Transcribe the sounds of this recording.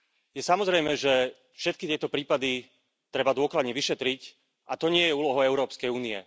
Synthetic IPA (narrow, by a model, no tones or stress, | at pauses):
jɛsamɔzɾɛjmɛʒɛ | fʃɛt̪̚kit̪ɪɛt̪ɔpɾiːpad̪i | t̪ɾɛbad̪ʊɔklad̪ɲɛʋiʃɛt̪ɾic | ʔat̪ɔɲɪɛjɛuːlɔɦɔɛʊɾɔːpskɛjuːniɛ̰